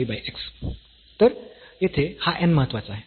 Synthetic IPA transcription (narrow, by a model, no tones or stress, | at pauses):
ibajeks | t̪əɾjet̪ʰehaʔɛnməɦət̪ːʋat͡saɦe